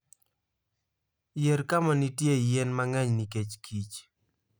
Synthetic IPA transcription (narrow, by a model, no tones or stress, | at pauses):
jeɾkamanitjejenmaŋɛɲniket͡ʃkʰit͡ʃ